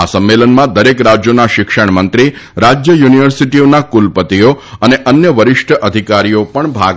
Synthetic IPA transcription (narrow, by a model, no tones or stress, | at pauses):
asəmːelənmãd̪əɾekɾad͡ʒjonaʃɪkʃəɳ̃mənt̪ɾiɾad͡ʒjəjuniʋəɾsiʈionakulpət̪ioəneʔənjəʋəɾɪʃʈʰəʔəd̪ʱikaɾijopəɳbʱa̰ɡ